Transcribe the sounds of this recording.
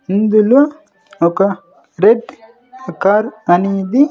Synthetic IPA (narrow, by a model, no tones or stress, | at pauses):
ind̪ulɐ | okɐ | ɾeɖ | kaɾɐnid̪i